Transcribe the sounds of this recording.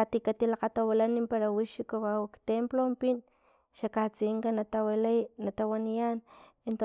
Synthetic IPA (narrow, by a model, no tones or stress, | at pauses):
at̪ikat̪ilaqat̪awalanimpaɾawiʃikowawakt̪emplompin | ʃakat͡siŋkanat̪awalanat̪awanijan | ent̪o